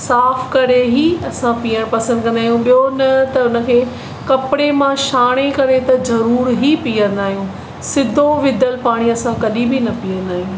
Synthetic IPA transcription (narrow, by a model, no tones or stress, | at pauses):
saːfkɐɾeɦiɐsãpiːəɽ̃pɐsə̃nd̪̚kɐ̃nd̪aːɦijũɓijonɐt̪ɐʊnə̆kʰeː | kɐpɪɽemãʃaːɽ̃ekɐɾet̪ɐzɐɾuːɾɦipiːə̃nd̪aːɦijũː | sɪd̪ʱoʋɪd̪ʱəlpaːɽ̃iɐsãkɐɗĩbʱɪnɐpiːə̃nd̪aːɦijũː